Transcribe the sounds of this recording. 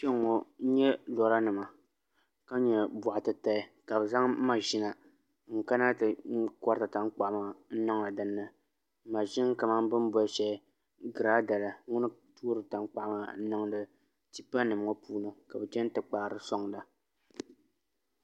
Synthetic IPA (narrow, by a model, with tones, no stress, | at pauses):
ʃɛ˦ŋ˨ɔ˨˦ɲɛ˦dɔ˨ɾa˦nɨ˨ma˨ | ka˦ɲɛ˨bʊ˨ʔa˨tɨ˨ta˦˨ka˨bɨ˨za˦ŋ˦ma˨ʒi˦na˨ | ŋ̩˨ka˦na˦tɨ˨˦kɔ˦ɾta˨ta˦ŋ˦k͡pa˨ʔma˨˦n̩˦nɨ˦ŋa˨dɨ˦nːɨ˦ | ma˨ʒi˦n˦ka˨ma˦ŋbɨ˦n˦bɔ˦ʃɛ˦ | ɡɨ˨ɾa˦da˨la˨ŋʊ˦nɨ˦tʰu˦ɾɨ˨ta˨ŋ˦k͡pa˦˨˦ma˨n̩˦nɨ˦ŋdɨ˦ | ti˦pa˦nɨ˨m˦ŋɔ˦pʰuː˦nɨ˦ka˨bɛ˨t͡ʃɛ˦n˦tɨ˨k͡pa˨ɾɨ˦sɔ˦ŋ˨la˨